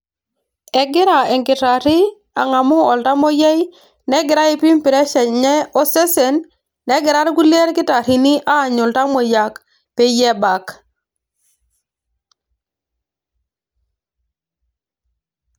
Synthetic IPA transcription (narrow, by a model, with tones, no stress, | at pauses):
ɛ˨ɡɪ˦ɾa˨ɛ˨ŋkɪ˨ta˨ɾi˦ | a̰˨ŋa˨mʊ˦ɔ˨lta˦mo˦jɛ˦j | nɛ˦ɡɪ˨ɾa˦i˨pi˦mpi˨ɾɛ˦ʃɛ˨ɲɛ˦ɔ˦se˦se˨nː | ɛ˦ɡɪ˨ɾa˦ɾku˦li˦e˦ɾkɪ˦ta˨ɾi˨ni˦ʔaː˦˨ɲʊ˨lta˦mo˨ja˨k | pe˦jɛ˦ba˨k